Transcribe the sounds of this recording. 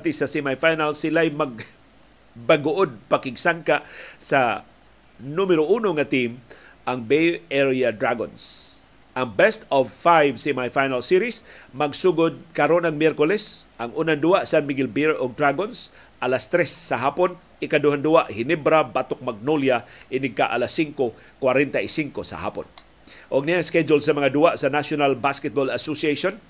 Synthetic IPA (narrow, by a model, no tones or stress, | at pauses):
t̪isasimajfajnalsɪlajmaɡ̚ | baɡʊʔod̪̚pakɪɡsaŋkaʔsa | numɛɾoʔuːnoŋat̪im | ʔaŋbejɛɹiad̪ɾaɡo̰ns | ʔaŋbɛst̪ɔvfajvsimajfajnalsiɾismaɡsuɡʊd̪̚kaɾonaŋmjɛɾkolɛsʔaŋunand̪uaʔsanmiɡɛlbiɹoɡ̚d̪ɾaɡons | ʔalast̪ɾɛsːɐɦapon | ɪkad̪uhand̪uaʔhɪnɛbɾabat̪ok̚maɡ̚noljaʔɪnɪɡ̚kaʔa̰lasːiŋko | kwaɾɛnt̪aʔisiŋkosɐ̰ha̰ːpo̰n | ʔoɡ̚niaŋskɛd͡ʒʊlsɐmɐŋad̪uaʔsɐnaʃonalbaskɛt̪̚bolasosieʃon